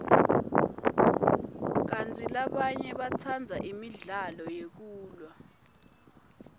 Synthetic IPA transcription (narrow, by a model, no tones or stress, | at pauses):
k̬antʰʼilaɓaɲɛɓat͡sʰand͡zʱaʔimiɮalɔjek̬uːlwa